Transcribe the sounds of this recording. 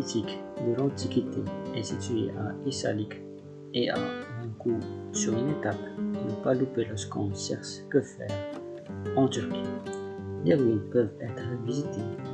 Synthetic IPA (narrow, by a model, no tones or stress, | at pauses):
it̪ʰikd̪əlɑ̃t̪ʰikʲit̪eɛsit̪ɥḛʔaisa̰lik | eʔa̰ɛ̃kusyʁynat̪apnəpalupelɔʁskɔ̃sɛʁskəfɛʁ | ɑ̃t̪yʁkʲi | leʁɥinpœvɛt̪χəvizit̪ʰe